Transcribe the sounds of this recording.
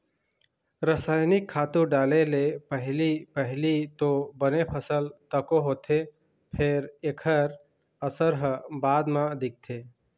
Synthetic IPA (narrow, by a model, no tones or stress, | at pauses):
ɾəsaːjnɪkʰːaːt̪ũɖaːlelepəɦlipəɦlit̪obənepʰəsəlt̪əkoɦoːt̪ʰe | pʰeɾekʰəɾ | əsəɾɦəbaːd̪mãd̪ɪk̚t̪ʰeː